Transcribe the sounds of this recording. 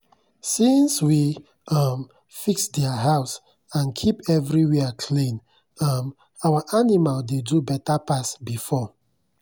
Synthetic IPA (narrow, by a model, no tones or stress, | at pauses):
sĩnswi | ʌm | fiksdɛaɦaʊs | ãnkʰipɛvɹiwɛkʰlĩn | ʌm | awaʔanimaldedubɛtapasbifɔ